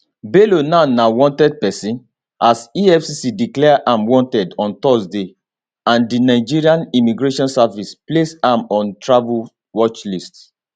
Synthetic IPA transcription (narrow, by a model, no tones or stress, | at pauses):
belonanawɔ̃ntɛd̚pɛsĩn | ʔasiɛfsisidiklɛʔãmwɔ̃ntɛdɔ̃ntɔsde | ãndinaɪd͡ʒiɹiãnimiɡɹeʃɔ̃nsavisplesãmɔ̃ntɹavul | wɔt͡ʃlist